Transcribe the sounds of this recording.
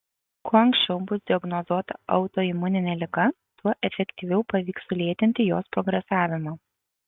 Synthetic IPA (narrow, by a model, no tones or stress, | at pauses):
kuɔɐŋksʲt͡ʃʲɛʊbʊsd̪ʲɪɔɡnɔzuɔt̪ɐʔɐ̰ʊt̪oːɪmʊnʲɪnʲɛːlʲɪɡɐ | t̪uɔʔɛfʲɛkʲt̪ʲiʋʲɛʊpɐʋʲiːksʊlʲeɛt̪ʲɪnʲt̪ʲɪjoːspɾɔɡɾʲɛsɑːʋʲɪmoː